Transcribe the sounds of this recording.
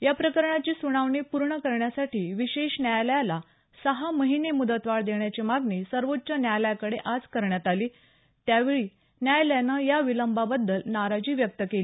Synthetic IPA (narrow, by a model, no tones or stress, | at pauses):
japɾəkəɾɳat͡ɕiːsuɽ̃aʋɳipuɾɳəkəɾɳjasaʈʰiːʋiɕeɕnjajljala | səɦaməɦinemud̪ət̪ʋaɭd̪eɳjat͡ɕimaɡɳiːsəɾʋot̪ːt͡ɕənjajljakəɽeʔad͡zkəɾɳjat̪aliː | t̪jaʋeɭiː | njajljanəjaʋiləmbabəd̪ːəlnaɾad͡ʑiːʋjək̚t̪əkeli